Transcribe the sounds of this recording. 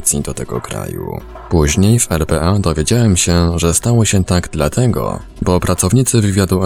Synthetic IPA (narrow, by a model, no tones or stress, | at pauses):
t̪sʲjid̪ɔt̪ɛɡɔ̰kɾa̰jṵ | puʑɲejfɛɾpɛʔad̪ɔvʲjed͡ʑawɛmɕɛʐɛst̪awɔɕɛt̪aɡd̪lat̪ʰɛɡɔ̰ | bɔpɾat̪sɔvɲit̪sɘvɘvʲjad̪u